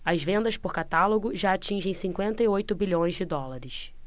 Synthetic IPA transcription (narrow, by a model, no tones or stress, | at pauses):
ɐzvẽnd̪ɐspʊɾkat̪aloɡʊʒaat͡ʃĩʒẽj̃sĩŋkwẽnt̪ɐiojt̪ʊbiʎõj̃zd͡ʒɪd̪ɔlaɾɪs